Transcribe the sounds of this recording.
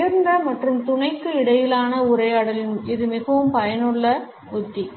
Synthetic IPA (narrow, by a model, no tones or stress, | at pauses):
ɐɾnd̪ɐmɐʈrɯmt̪ʊnɐɪkːɯɪɽɐjɪlaːnɐʊɾɐɪjaːɽɐlɪnɪðɯmɪɣɐʋɯmpɐjɐnɯɭːɐ | ʊt̪ːi